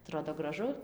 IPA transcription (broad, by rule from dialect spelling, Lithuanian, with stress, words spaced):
ɐˈtroːdoː ɡrɐˈʒʊ